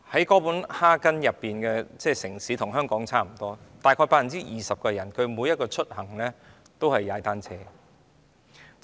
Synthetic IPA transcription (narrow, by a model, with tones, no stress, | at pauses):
hɐ˨˥jkɔː˨˥puː˨˥nhaː˥kɐ˥njɐ˨pːiː˨˩nkɛː˧t͡sɛː˥˩sɪ˨˩ŋsiː˨˥t̪ʰʊ˨˩ŋɦœː˥ŋkɔː˨˥ŋt͡sʰaː˥m̩˨˩t̪ɔː˥t̪aː˨jkʰɔː˧jpaː˧˥jɐ˨˩nt͡siː˥jʔiː˨sɐ˨p̚kɔː˧jɐ˨˩nkʰɵ˨˧ɥmu˨˧jɐ˥t̚kɔː˧t͡ʃʰɵ˥t̚hɐ˨˩ŋlɛː˥ | t̪o˥whɐ˨jːaː˨˧jt̪aː˥nt͡sʰɛː˧